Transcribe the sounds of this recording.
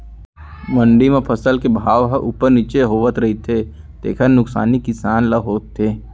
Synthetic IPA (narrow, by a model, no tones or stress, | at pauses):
mɐ̃ɳɖimẽpʰɐsəlkebʱaːʋɦəʔʊ̰pəɾniːt͡ʃeɦoːʋət̪ɾɐɦit̪ʰe | t̪ḛːkʰəɾnʊksa̰ːnikɪsaːnlɐɦoːt̪ʰːeː